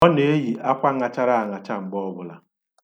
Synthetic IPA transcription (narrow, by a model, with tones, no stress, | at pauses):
ɔ˦ne˨˦e˦ɦi˨a˦kʷa˦ŋa˨t͡ʃa˦ɾa˦a˨ŋa˨t͡ʃa˦ŋ͡m̩˨ɡ͡bɔ˦bʊ˨la̰˨